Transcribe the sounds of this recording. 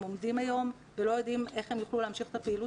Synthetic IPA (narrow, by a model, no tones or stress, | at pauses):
o̞mdimajo̞m | velo̞jo̞dime̞χhemjuχluleamʃiχe̥t̪apeːlu